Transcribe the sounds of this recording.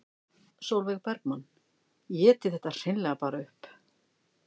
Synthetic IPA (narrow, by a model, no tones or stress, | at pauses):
sowlvɛɣpɛɾkman | jɛːt̪ɪθɛht̪ːar̥ɪjnlɛɣapaːɾaʏhp